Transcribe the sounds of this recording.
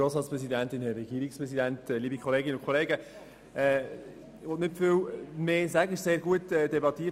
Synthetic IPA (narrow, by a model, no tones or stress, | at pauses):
oːsʁɑːtt͡sspʁɛsidæntɪnhɛɾɛɡiːɾikspʁɛsidæntːliːbikʰχɔleːɡɪnəʊnkʰoleːɡə | ɛ | ʋɔtnɪtfiwmeːsæɡəɪʃseːɾɡuətɛdɛbɑt̪iːə